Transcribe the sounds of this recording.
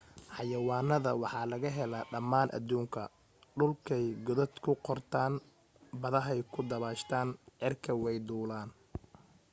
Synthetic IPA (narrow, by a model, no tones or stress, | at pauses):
ħɑjɐwɑːnːɐðɐwɑħɑːlɐɣɐɦɛlaːɖɐmːaːnʔɐ̰d̪uːŋkʰɐ | ɖʊlkʰɛjɡʊðɐd̪kʰʊqɔrt̪ʰaːn | bɐðɐɦɛjkʰʊd̪ɐβaːʃt̪ʰaːnʕɪrkʰɐwɛjd̪uːlaːn